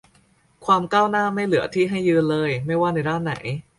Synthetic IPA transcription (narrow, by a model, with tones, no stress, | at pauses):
kʰwaː˧mkaː˥˩wnaː˥˩ma˥˩jlɯ˨˩˦ɐt̪ʰiː˥˩ɦa˥˩jːɯː˧nlɤː˧jma˥˩jwaː˥˩na˧jdaː˥˩nːa̰˩˦j